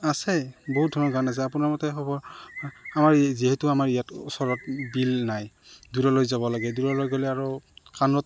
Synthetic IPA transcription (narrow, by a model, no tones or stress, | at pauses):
asɛbɔɦut̚dʱɔnɔɡanas̬ɛapunaɹmɔtɛxɔbɔɹ | amaɹziɦɛtʊamaɹijatɔsɔɹɔt̚bilnaj | duɹɔlojzabɔlaɡɛduɹɔlojɡolɛaɹɔkanɹɔt